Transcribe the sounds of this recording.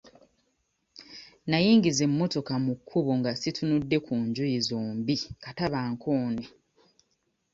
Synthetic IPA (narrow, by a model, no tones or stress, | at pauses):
najiːŋɡize̞mːo̞to̞kamukʰːuβoŋɡasitunudːe̞kʰuːɲɟujizoːmbikataβaːŋkʰoːne